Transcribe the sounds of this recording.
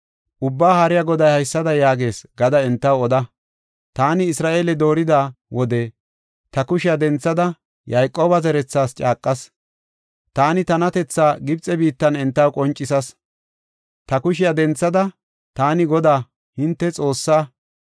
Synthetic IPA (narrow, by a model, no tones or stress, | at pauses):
ʔʊbːaːhɐɾɪjaɡɔd̪ɐjhɐjsːɐd̪ɐjaːɡe̞ːsɡɐd̪ɐɛnt̪ːɐwɔd̪ɐ | t̪aːnɪɪsɾaːʔeːlɛd̪o̞ːɾɪd̪aːwʔɔd̪ɛ | t̪ɐkʊʃɪjɐd̪ɛnt͡sːɐd̪ɐ | jɐjkʼːo̞ːbɐzɛɾɛt͡sːaːst͡ʃʼaːkʼːɐs | t̪aːnɪt̪ɐnɐt̪ɛt͡sːaːɡɪb̚t͡sʼɛbiːt̪ːɐnɛnt̪ːɐwkʼɔnt͡ʃʼːɪsɐs | t̪ɐkʊʃɪjɐd̪ɛnt͡sːɐd̪ɐ | t̪aːnɪɡɔd̪aː | hɪnt̪ːɛt͡sʼo̞ːsːaː